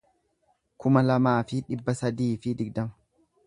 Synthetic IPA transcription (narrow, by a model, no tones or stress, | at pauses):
kʊmɐlɐmaːfɪᶑɪbːɐsɐd̪iːfɪd̪ɪɡd̪ɐmɐ̥